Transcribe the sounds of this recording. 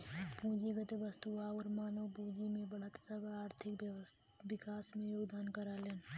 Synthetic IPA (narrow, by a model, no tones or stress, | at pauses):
pũːd͡ʒiɡət̪eʋəst̪uaɔːɾmaːnəwbũːd͡ʒimẽbəɽ̤ət̪səbʱaaːɾt̪ʰɪk | ʋɪkaːsmẽjoːɡd̪aːnkəɾaːleːn